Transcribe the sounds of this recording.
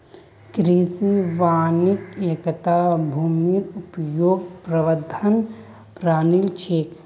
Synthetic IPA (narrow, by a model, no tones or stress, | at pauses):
kɾisiʋaːnikeːkət̪aːbʱuːmiɾupəjoːɡpɾɐʋəd̪ʱɐn | pɾaːnilt͡ʃʰeːk